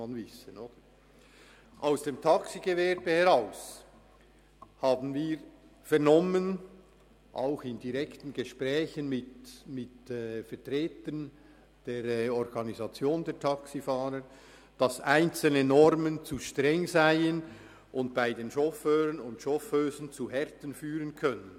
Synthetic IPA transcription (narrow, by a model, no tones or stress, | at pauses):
mɑnvɪsənoːd̥ə | ʔaʊsd̥eːmtʰɑksiɡ̥evɛɾb̥əhɛʁaʊs | hɑːbn̩viːɾ | fɛʁnɔmən | ʔa̰ʊxɪndiʁɛktn̩ɡəʃpʁɛːçənmɪtmɪtɛfɛɐtʁeːtən | d̥eːɾɔɾɡ̥ɑnizɑt͡sjoːndɛtʰɑksifaːɾə | d̥ɑsʔaɪnt͡sl̩nənɔɾmənt͡suʃtʁɛŋzaɪən | ʔʊntb̥aɪdeːnʃɔføːɾənʊntʃɔføːzənt͡suɦɛɾtən̩fyːɾənkʰœnən